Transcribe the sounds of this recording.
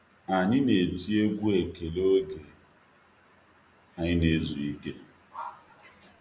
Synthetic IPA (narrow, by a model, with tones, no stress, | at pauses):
a˨ɲɪ˦ne˨ti˦e˦ɡʷu˦e˨ke˨lo˦ɡe˨ | a˨ɲɪ˦ne˦zu˨i˦ke˦